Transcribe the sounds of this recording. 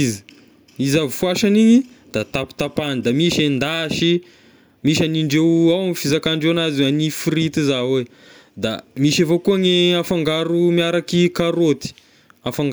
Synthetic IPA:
zi | izavifuaʃaniɲid̪̥at̪api̥t̪apanid̪amiʃend̪aʃi | miʃaniɳɖ͡ʐewawamifizakaɳɖ͡ʐewanazianifiɾit̪izawe | d̪a̰miʃevokuaŋeafaŋɡaɾumiaɾakikaɾot̪i̥ | afaŋɡ

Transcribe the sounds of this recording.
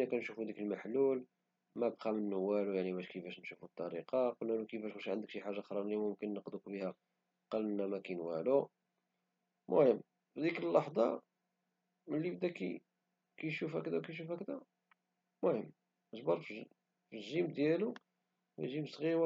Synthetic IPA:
nːækænʃufud̪ikəlmaħlul | mæbqɑmənːʊwːælujaʕnibæʃkəfæʃnʃufut̪ˤːɑɾiqɑqolnænukəfæʃmuʃʕənd̪əkʃiħaʒːaxɾˤɑlːimʊmkənːəqd̪ukbihæ | qɑlənːæmækænwælu | mʊ̰həmː | fid̪ikəlːɑħd̪ˤɑ | məlːibd̪ækḭ | kæjʃufækd̪æwkæjʃ̬ufækd̪æ | mʊhəmː | əʒbɑɾˤf | fiʒimd̪jælu | w̰ʒimsˤɣiw

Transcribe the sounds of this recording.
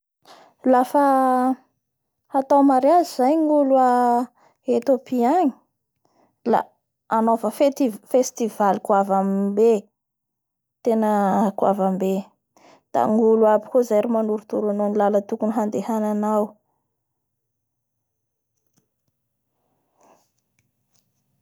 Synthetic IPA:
lafə | at̪awmaɾjazizajŋulua | et̪opiaɲi̥ | la̰ | anofəfefest̪ivalikwavambe | t̪enəkua̰vambe | d̪̥a̰ŋuluabi̥kozajɾimanuɾut̪uɾanonilalət̪ukuniɦand̪ehananaw

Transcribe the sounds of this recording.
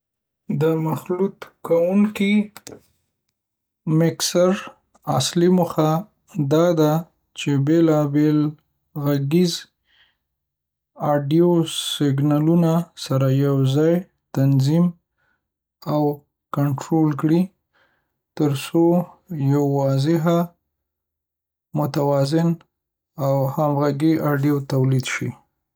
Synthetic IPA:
d̪əmaxlut̪kawuŋki | mɪksaɾ | asliməxa | d̪ɑd̪a | t͡ʃebelɑbel | ɣaɡiz | ɑɖijosɪɡnalunasaɾajawzɑj | t̪anzim | aw | kaɳʈɾolkɽi | t̪əɾso | jawːɑzɪɦa | mʊt̪awɑzɪn | awhamɣaɡiʔɑɖijot̪awlid̪ʃḭ

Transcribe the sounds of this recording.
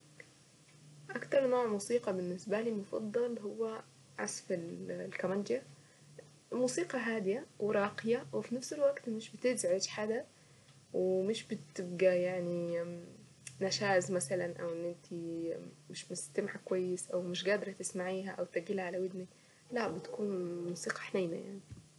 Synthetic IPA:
ʔakt̪ɑɾˤnoːʕmuːsiːqɑbɪnːɪsbæliːmʊfɑ̰d̪ˤːɑlɦʊwːæ | ʕa̰sfɪllkamænd̪ja | muːsiːqɑɦaːd̪ɪjæwɪɾˤɑːqɪjæwɪfinafselwæɡt̪mɪʃbɪt̪ɪzʕedd͡ʒħad̪æ | wɪmɪʃbɪt̪ɪbɡajaʕni | naʃaːzmasalanʔawʔɪnːʔɪnt̪ʰimɪʃmɪst̪amʕakwajːɪsʔawmɪʃɡaːd̪ɾˤɑt̪ɪsmaʕiːɦaʔawt̪aɡilaʕalawɪd̪ni | laʔbɪt̪ḁkuːnmuːsiːqɑ̥ħnajma̰ja̰ʕni

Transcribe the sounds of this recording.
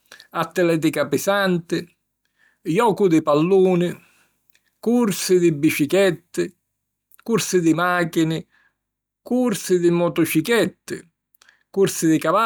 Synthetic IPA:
at̪ːɪlɛːt̪̬ikapɪsant̪ɪ | jɔːkud̪ɪpalːuːnɪ | kuɾsɪd̪ɪbːiʃikɛt̪ːɪ | kuɾsɪd̪ɪmaːkinɪ | kuɾsɪd̪ɪmɔt̪ɔt͡ʃikɛt̪ːɪ̰ | kuɾsɪd̪ɪkava

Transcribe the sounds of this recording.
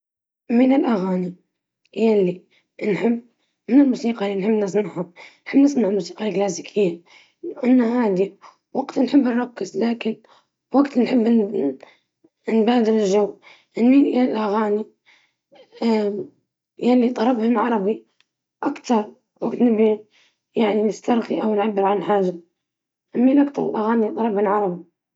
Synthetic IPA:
mɪnɪlʔaɣaːni | jalːi | nħɪbː | mɪnɪlmuːsiːqɑlːinħɪbːnɪs̬ˤnaʕhanħɪbːnɪsˤnaʕlmuːsiːqɑlklaːs̬ikʰɪjːa | lawʔanːahaːd̪i | waɡt̪nħɪbːnɾˤɑkːɪzlaːkɪn | waɡt̪nħɪbː | nbaːd̪ɪɾɪlʒaw | ʔɪnːiʔalʔaɣaːni | a | jalːit̪ˤɑɾɑbhʊnʕɑɾˤɑbi | ʔakt̪ɑɾˤ | waɡt̪nɪbi | jaʕninɪst̪ɑɾˤɣiʔawnʕabːɪɾʕanħaːʒːa | ʔamːilʔakt̪ɑɾˤɪ̰lʔaɣaːnit̪ˤɑlˤɑbhʊnʕɑɾˤɑbi

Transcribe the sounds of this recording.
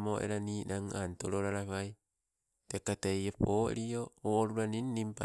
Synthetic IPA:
moʔḛɾaniːnaŋantoɾoɾaɾaβaj | tekatejapo̰ɾiooːɾuɾaninːimpa

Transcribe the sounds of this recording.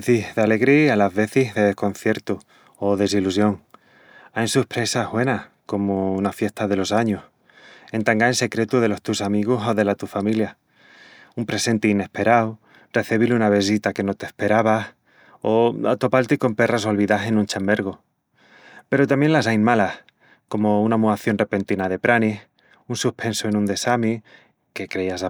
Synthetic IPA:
θihðeale̞ɣɾialazβe̞θiɦðe̞ðehko̞nθje̞ɾt̪u | oðe̞s̬ilusjo̞ŋ | ajnsuhpɾe̞saɦβwe̞nahko̞mounafje̞st̪aðe̞lo̞saɲos | e̞nt̪aŋɡaense̞kɾe̞t̪uðe̞lo̞st̪usamiɣ̞oso̞ðe̞lat̪ufamilja | umpɾe̞se̞nt̪eine̞spe̞ɾaw | re̞θeβilunaβe̞s̬it̪ake̞no̞t̪e̞hpe̞ɾaβ̞ah | o̞a̰t̪o̞palt̪iko̞mpe̞rasolβiðaɦe̞nũnt͡ʃambe̞ɾɣ̞o | pe̞ɾot̪amje̞nlasajnmalah | ko̞mo̞unamuaθjo̞nrepe̞nt̪inaðe̞pɾʔanih | unsuhpʰe̞nsoe̞nũnd̪e̞sami | ke̞kɾe̞iasa

